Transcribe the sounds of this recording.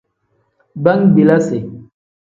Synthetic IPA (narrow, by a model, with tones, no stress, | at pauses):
ba˦ŋbi˨la˦se˨